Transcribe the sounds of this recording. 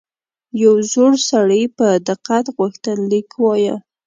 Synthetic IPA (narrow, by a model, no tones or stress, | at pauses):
jawzoɽsaɽəjpəd̪ɪqat̪ɣuxt̪ənlikwɑjə